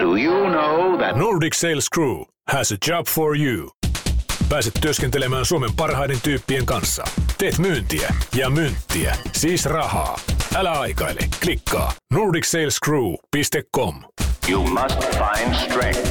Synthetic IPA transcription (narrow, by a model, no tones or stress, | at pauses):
d̥ujunoʊðænuːɹdiksejlskɹuː | hæsəd͡ʒɑːb̥foɹju | pæːset̪tyøskent̪elemæːnsuome̞mpɑrhɑjde̞nt̪yːpːieŋkɑnsːɑ̰t̪eːt̪myːnt̪iæ̰jɑmynt̪ːiæ̰siːsrɑhɑ̰ːʔælæɑjkɑ̰ilḛklikːɑ̰ːnuːɹdikseilskɹuːpist̪ekːomjumʌstfãɪ̃nd̥stɹ̥ẽŋk